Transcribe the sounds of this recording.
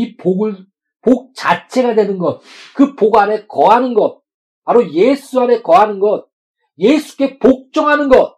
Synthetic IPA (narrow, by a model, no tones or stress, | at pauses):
ipoɡɯ | pok̚t͡ɕat͡ɕʰe̞ɡadwenɯnɡʌt̚kɯpoɡane̞kʌanɯnɡʌt̚ | paɾojesʰuane̞kʌɦanɯnɡʌt̚ | je̞sʰu̥k͈e̞pok̚t͡ɕ͈ʌŋɦanɯnɡʌt̚